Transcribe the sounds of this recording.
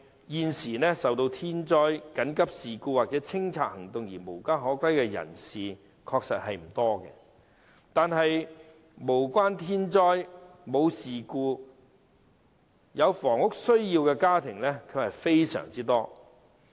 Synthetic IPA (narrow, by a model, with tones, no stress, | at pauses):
jiː˨˧nsiː˨˩nɛː˥sɐ˨wt̪o˧wt̪ʰiː˥nt͡ʃɔː˥jkɐ˨˥nkɐ˥p̚siː˨˩kuː˧waː˨t͡sɛː˨˥t͡sʰɪ˥ŋt͡sʰaː˧t̚hɐ˨˩ŋt̪ʊ˨ŋjiː˨˩mo˨˩wkaː˥ɦɔː˨˥kʷɐ˥jkɛː˧jɐ̰˨˩nsiː˨ | kʰɔː˧k̚sɐ̰˨t̚hɐ˨jm̩˨˩t̪ɔː˥kɛ̰ː˧ | t̪aː˨nɦɐ˨j | mo˨˩wkʷaː˥nt̪ʰiː˥nt͡ʃɔː˥jmo˨˧wsiː˨kuː˧ | jɐ˨˧wfɔː˨˩ŋʊ˥k̚sɵ˥ɥjiː˧wkɛː˧kaː˥t̪ʰɪ˨˩ŋlɛː˥kʰɵ˨˧hɐ˨jfe˥jsœ̰ː˨˩ŋt͡siː˥t̪ɔː˥